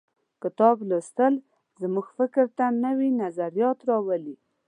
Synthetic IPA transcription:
kɪt̪ɑbləst̪əl | zəmuɡfɪkɾt̪anəwinazaɾijɑt̪ɾɑwəli

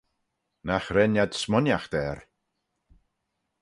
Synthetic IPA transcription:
naxɾɛnjad̪̥smɔnjaxd̪̥ɛːɾ

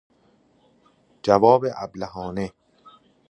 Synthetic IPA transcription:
d͡ʒævɒːbeʔæblæhɒːne

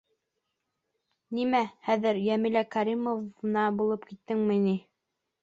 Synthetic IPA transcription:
nimæhæðɘɾjæmilækɑɾimovnɑbulˠɤpkit̪ːɘŋmɘ̆ni

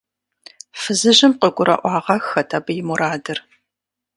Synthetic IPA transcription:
fɨzɨʑɪmqəɡʷʊɾɐ̰ʔʷɑːʁɐxɐtʰaːbɐjɪmʊɾaːdɨr

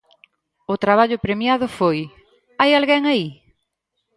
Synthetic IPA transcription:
ʊt̪ɾaβaʎʊpɾemjaðʊfoj | ajalɣɛŋai

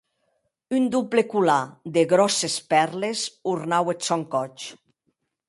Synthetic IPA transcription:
ynd̪uplekulad̪eɣɾɔsespɛɾlezuɾnawesɔŋkɔt͡ʃ

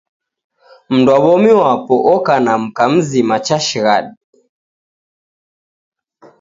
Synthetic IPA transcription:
m̩ndwaβɔmiwapɔʔɔkanam̩kam̩zimat͡ʃaʃiɣaɗi

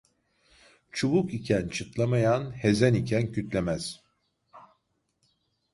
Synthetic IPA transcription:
t͡ʃʰuβukicʰænt͡ʃʰɯt̪lˠamajanhe̞zænicʰæncʰyt̪lʲemæz̥

